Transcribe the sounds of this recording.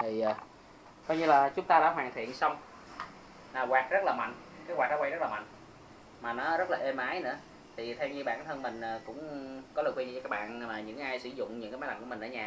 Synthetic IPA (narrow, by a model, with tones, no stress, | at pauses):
iː˨˩˨ | kɔ˧jɲɨ˧laː˨˩t͡ɕʊ˨˦ŋ͡mt̪aː˧ɗa̰ː˧˥ɦwaː˨˩ŋt̪ʰḭ˧˨ənsa˧wŋ͡m | laː˨˩ɣwaː˨˩k̚zə˦˥laː˨˩ma̰˧˨jŋ̟ | kaː˨˦jwaː˨˩k̚nɔ˦wa˧jzə˦˥laː˨ma̰˧˨jŋ | maː˨˩nɔ˨˦zə˦˥t̚laː˨˩ʔe˧mʔaː˨˦jnɨ̰˧˥ə | t̪ʰi˨˩t̪ʰɛ˧wɲɨ˧ɓa̰ː˧˨nt̪ʰə˧nmï˨˩ŋ̟ʔəː˨˩kʊ̰˧˥ŋ͡mkɔ˨˦ləː˨˩kwi˧ɲi˧t͡ɕɔ˧aː˦˥kɓa̰ː˧˨nmaː˨˩ɲɨ̰˧˥ŋ˧˩ʔaː˧jsɨ˧˩zʊ̰˧˨ŋ͡mɲɨ˧˥ŋkːaː˨˦jmː˨˦jla˨˩mku˧˩ï̟˨˩ʔəː˨˦ɲaː˧˩